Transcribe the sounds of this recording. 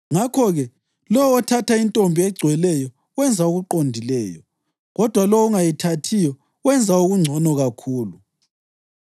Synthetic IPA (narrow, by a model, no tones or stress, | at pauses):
ŋakʰɔɣɛ | lɔwɔtʰatʰaintʼombʱiɛɡ͡ǀʱwɛlɛjɔ | wɛnd͡zʱauɣuǃondʱilɛːjɔ | ɣɔd̥ʱwalɔwuŋajitʰatʰijɔ | wɛnd͡zʱauɣuŋ͡ǀʱɔnɔɣakʰuːlu